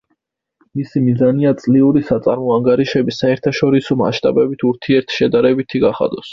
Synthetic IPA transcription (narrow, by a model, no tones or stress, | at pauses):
misimizaniat̪sʼliuɾisat̪sʼaɾmɔaŋɡaɾiʃɛbisaɛɾt̪ʰaʃɔɾisɔma̰ʃt̪ʼa̰bɛbit̪ʰuɾt̪ʰiɛɾt̪ʰʃɛd̪aɾɛbit̪ʰiɡaχa̰d̪ɔs